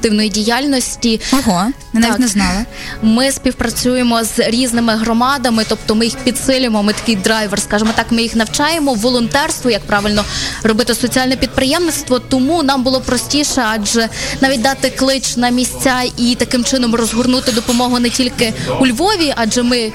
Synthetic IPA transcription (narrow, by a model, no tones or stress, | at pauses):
t̪ɪwnɔjidʲijɑlʲnɔsʲtʲiɔɦo | ɪnaiikʲtnɛznɑlˠɪ | mɪspʲiwpɾɐt͡sʲujemɔzɾʲiznɪmɪɦrɔmɑd̪ɐmɪt̪ɔp̚t̪ɔmɪjixpʲid̪sɪlʲɪmɔmɪt̪ɐ̥kɪjd̪ɾɑjʋɛrskɑʒemɔt̪ɑkmɪjixnɐwt͡ʃɑjemɔʋɔlˠɔnt̪ɛrst̪ʋɔjɐk̚pɾɑʋɪlʲnɔrɔbɪt̪ɪsɔt͡sʲiɑlʲnɛpʲid̪̚pɾɪjɛmnɪt̪st̪ʋɔt̪ɔmunɑmbʊlˠɔpɾɔsʲtʲiʃɛɑd͡ʒɛnɑʋʲit̚ʲd̪ɑt̪ɪklˠɪt͡ʃnɐmʲisʲt͡sʲait̪ɐkɪmt͡ʃɪnɔmrɔzɦʊrnut̪ɪd̪ɔpɔmɔɦʊnɛtʲilʲkɪulʲʋɔʋʲiʔɑd͡ʒɛmɪ